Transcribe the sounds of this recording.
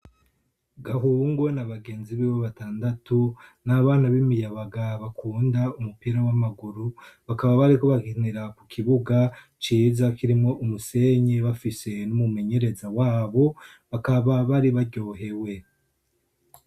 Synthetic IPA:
ɡaɦuːŋɡo̞naβaɡe̞ːnziβiβaβataːndatunaβaːnaβimijaβaɡaβakuːndaumupiɾawamaɡuɾuβakaβaβaɾiko̞βaɡiniɾakukʰiβuɡa | t͡ʃiːzakiɾimŋo̞ʔumuse̞ɲeβafise̞numume̞ɲe̞ɾe̞zawaːβo̞ | βakaβaβaɾiβaɾɟo̞ːɦe̞we̞

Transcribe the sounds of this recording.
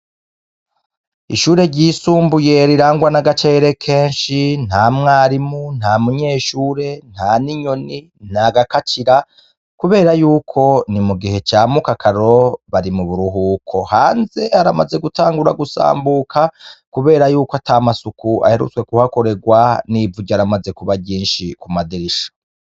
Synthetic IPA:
iʃuːɾe̞ɾɟiːsuːmbuje̞ɾiɾaːŋɡwanaɡat͡ʃe̞ːɾe̞kʰe̞ːnʃin̥haːmŋaːɾimun̥hamuɲe̞ːʃuːɾe̞n̥haːniɲo̞ni | n̥aɡakat͡ʃiɾa | kuβe̞ːɾajuːkʰo̞nimuɡihe̞t͡ʃaːmukakʰaɾo̞βaɾimuβuɾuɦuːkʰo̞haːnze̞aɾamaze̞ɡutʰaːŋɡuɾaɡusa̰ːmbukʰakuβe̞ːɾajuːkatamasukuʔa̰he̞ɾṵt͡skwe̞kuhako̞ɾe̞ɡwaniːvuɟaɾamaze̞kuβaɟiːnʃikumadiɾiʃḁ

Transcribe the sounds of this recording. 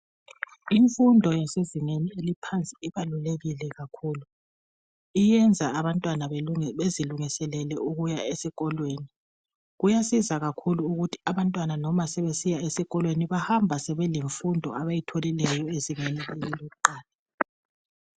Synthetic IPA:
iɱfundʱɔjaseziŋenielipʰant͡sʼi̥iβaluleɣilɛɣakʰuːlu | ijɛnd͡zʱaːβantʼwanaβeziluŋisɛlɛlɛuɣujaesiɣɔlweːni | ɣujasizaɣakʰuluuɣutʰi̥aβantʼwananɔmasɛβesijaesiɣɔlweniβahambʱasɛβɛleɱfundʱɔ̰aβajitʰolilɛjɔeziŋenileliloɣuǃaːlɛ

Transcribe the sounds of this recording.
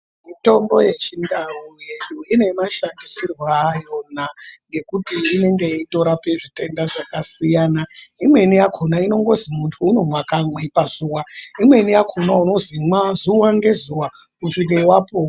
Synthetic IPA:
mito̞mbo̞je̞t͡ʃindaujeɗuine̞maʃandisirwaːjo̞naŋɡe̞kutiːne̞ŋɡe̞ito̞ɾape̞ʐite̞ndaʐakasijanaimwe̞nijakʰonaino̞ŋɡo̞zimuntʰuːno̞mwakamwepazuwaimwe̞nijakʰonauno̞zimwazuwaŋɡe̞zuwa | kuʂikaiwaːpo

